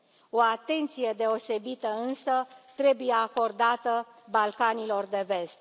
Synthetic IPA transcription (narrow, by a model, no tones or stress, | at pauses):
o̞at̪e̞nt̪sije̞d̪e̞o̞se̞bit̪əɨnsət̪ɾe̞buje̞ako̞rd̪at̪ə | balkanilo̞rd̪e̞ve̞st̪